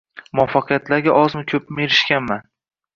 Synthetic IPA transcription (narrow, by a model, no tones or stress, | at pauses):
mʊɒfːɑqʰɨjat̪laɾɡʲaʔɒzmʊkʲʰɵpmeɾɪʃkʲanman